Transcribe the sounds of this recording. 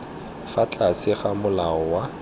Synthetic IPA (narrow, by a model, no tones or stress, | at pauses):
fat͡ɬʼasɪχamʊlaɔwa